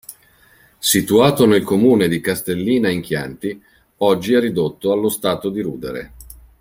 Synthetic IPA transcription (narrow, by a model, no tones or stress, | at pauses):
sit̪uaːt̪onelkomuːned̪ikast̪elːiːnaiŋk̟ja̰nt̪i | ɔd͡ʒːiɛrːid̪ot̪ːoalːost̪aːt̪od̪iɾuːd̪eɾḛ